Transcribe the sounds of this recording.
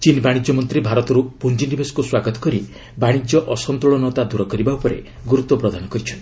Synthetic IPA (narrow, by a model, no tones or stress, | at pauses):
t͡ʃinbaɽ̃id͡ʒɔmɔnt̪ɾibʱaɾɔt̪ɔɾupund͡ʒind̪ibʱesɔ̥kuswaɡɔt̪ɔ̥kɔɾi | baɽ̃id͡ʒjɔʔɔsɔnt̪ɾɔɭɔnɔt̪ad̪uɾɔkɔɾibaupɔɾḛ | ɡuɾut̪ːɔpɾɔd̪ʱanɔkɔɾit͡ʃʰɔnt̪i